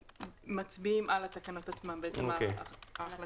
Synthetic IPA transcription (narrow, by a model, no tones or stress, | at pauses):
mat͡sbiimʔalat̪akano̞t̪hat͡smambeet͡sekeala